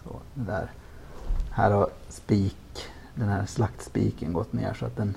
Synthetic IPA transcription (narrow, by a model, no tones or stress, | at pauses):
sɔ̰d̪ɛd̪æ̰ɾ | hæːɾhaɾ | spiːk | d̪ɛnhæːɾʂlakt̪spḭːkənɡɔt̪ːnḛːʂɔa̰t̪̚d̪ɛn